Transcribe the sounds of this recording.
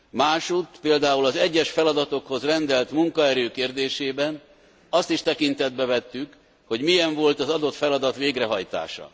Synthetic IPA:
maːʃut̪peːld̪aːulɒzɛɟːɛʃfɛlɒd̪ɒt̪o̞kho̞zrɛnd̪ɛlt̪muŋkɒɛɾøːkeːrd̪eːʃeːbɛn | ɒst̪iʃt̪ɛkint̪ɛd̪bɛvɛt̪ːyk | ho̞ɟmijɛɱvo̞lt̪ɒzɒd̪o̞t̪fɛlɒd̪ɒt̪ʋeːɡrɛɦɒjt̪a̰ːʃɒ̰

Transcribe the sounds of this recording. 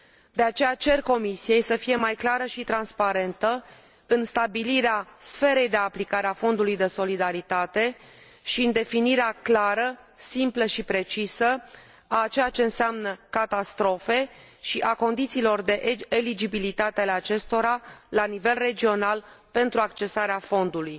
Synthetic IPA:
d̪e̞at͡ʃe̞jat͡ʃe̞rko̞misije̞jsəfije̞majklaɾəʃit̪ɾanspaɾe̞nt̪ə | ɨnst̪abiliɾeasfe̞ɾe̞jd̪e̞aplikaɾeafo̞nd̪ulujd̪e̞so̞lid̪aɾit̪at̪e̞ | ʃiɨnd̪e̞finiɾeaklaɾə | simpləʃipɾe̞t͡ʃisə | at͡ʃejat͡ʃe̞ɨnseamnəkat̪ast̪ɾo̞fe̞ | ʃiʔako̞nd̪it̪siːlo̞rd̪e̞ʔelid͡ʒibilit̪at̪eale̞at͡ʃe̞st̪o̞ɾalanive̞lre̞d͡ʒio̞nalpe̞nt̪ɾuakt͡ʃe̞saɾeafo̞nd̪uluj

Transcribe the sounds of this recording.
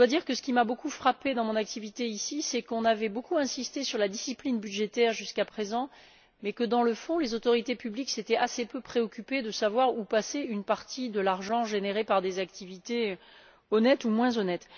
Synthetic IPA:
əd̪wad̪iʁkəsə̥kʲimabokufχaped̪ɑ̃mɔ̃nak̚t̪ivit̪eisisɛkɔ̃navɛbokuɛ̃sist̪esyʁlad̪isiplinbyʒet̪ɛʁʒyskapχezɑ̃ | mɛkəd̪ɑ̃ləfɔ̃lezot̪ɔʁit̪epyblikset̪ɛʔasepøpχeɔkʲyped̪əsavwaʁupaseynpaʁt̪ʰid̪əlaʁʒɑ̃ʒeneʁepaʁd̪ezakt̪ivit̪e | ɔnɛt̪umwɛ̃zɔnɛt̪

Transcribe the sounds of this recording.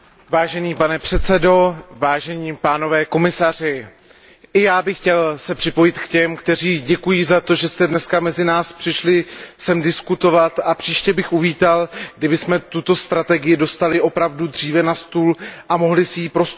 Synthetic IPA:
vaːʒɛniːpanɛpr̥ɛt̪sɛdo̞vaːʒɛɲiːpaːno̞vɛːko̞mɪsar̝ɪ | ʔɪjaːbɪxcɛlsɛpr̥ɪpo̞jɪt̪kcɛmkt̪ɛr̝iːɟɛkujiːzat̪o̞ʒɛst̪ɛdnɛskamɛzɪnaːspr̥ɪʃlɪsɛmdɪskut̪o̞vat̪ʔapr̝̥iːʃcɛbɪxʔuviːt̪alɡdɪbɪsmɛt̪ut̪o̞st̪ɾat̪ɛɡɪjɪdo̞st̪alɪʔo̞pɾavdud̪r̝iːvɛnast̪uːlʔamo̞ɦlɪsɪjiːpɾos

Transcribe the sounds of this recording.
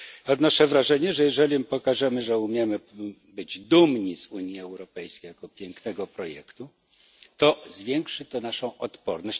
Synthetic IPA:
ɔd̪nɔʂɛvɾaʐɛɲɛʐɛjɛʐɛlʲimpɔkaʐɛmɘʐɛumʲjɛmɘ | bɘd͡ʑd̪umɲizuɲjiɛwɾɔpɛjskʲejakɔpʲjɛŋknɛɡɔpɾɔjɛ̰kt̪u | t̪ɔzvʲjɛŋkʂɘt̪ɔnaʂɔ̃w̃ʔɔt̪pɔɾnɔɕ

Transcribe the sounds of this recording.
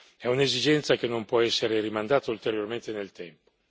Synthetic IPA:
ɛunezid͡ʒɛnt̪sakenompwɔɛsːeɾeɾimand̪aːt̪ault̪eɾjorment̪enelt̪ɛmpo̥

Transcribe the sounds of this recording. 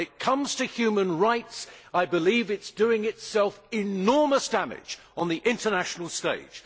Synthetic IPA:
ɨt̚kʰʌ̃mz̥tɨhjʉmə̃nɹaɪtsaɪbɪlivɨtsd̥ʉɪ̃ŋɨtsɛlˠfɪnɔɹməsd̥æmɪ̰̥d͡ʒ | n̩ðiʔɪ̃ntənæʃnl̩ˠsteɪd̥ʒ̥

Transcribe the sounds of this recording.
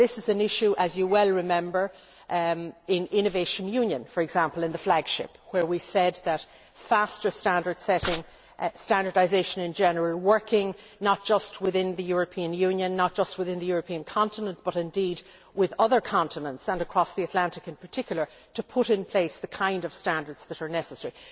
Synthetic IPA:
ðɪsɨzɨ̃nɪʃuʔəzjəwɛlˠɹɨmɛ̃mbə˞ | ɪ̃nɪ̃nɨveɪʃə̃njʉ̃njə̃nfə˞ɨɡzãmpəlˠɨ̃nðəflaɡ̥ʃɪ̰pwə˞wisɛd̪̚ðət | fastə˞stæ̃ndə˞d̥sɛɾɪ̃ŋ | stæ̃ndə˞daɪzeɪʃə̃nɨ̃nd͡ʒɛnəɹəlˠwɜ˞kʰɪ̃ŋ | nət̚d̥ʒ̥ʌst̚wɪðɪ̃nðɨjʊɹɨpʰĩɨ̃njʉ̃njɨ̃nːət̚d̥ʒ̥ʌst̚wɨðɪ̃nðəjʊɹəpʰĩɨ̃nkʰɑ̃ntənə̃nb̥ʌɾɨ̃ndid̚ | wɪðʌðə˞kʰɑ̃ntənə̃ntsə̃nəkʰɹ̥ɔsðiɨtˡlæ̃ntɨkɨ̃npʰə˞tʰɪkʰjl̩ˠə˞ | ɾəpʰʊɾɨ̃npʰl̥eɪsðəkʰãɪ̃ndʌv̥stæ̃ndə˞dz̥ðəɾə˞nɛsəsɛɹi

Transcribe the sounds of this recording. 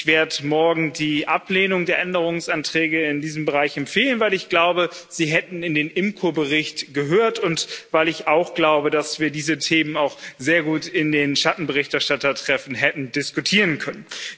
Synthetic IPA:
ɪçv̥eːɐdəmɔɐɡŋ̩diːʔapleːnʊŋdeːɐʔɛndəʁ̞ʊŋsʔantʁ̥ɛːɡəɪndiːzəmbəʁ̞aɪçɛmfeːlənvaɪlɪçɡ̥laʊbəz̥iːɦɛtn̩ɪndeːnʔɪmkʰobəʁɪçtɡ̥əɦøːɐtʊntvaɪlɪçaʊxɡ̥laʊbədasv̥iːɐdiːzətʰeːmənaʊxz̥eːɐɡuːtɪndeːnʃatn̩bəʁ̞ɪçtɛɐʃtatɐtʁ̥ɛfn̩ɦɛtn̩dɪskutʰiːʁənkʰœnən

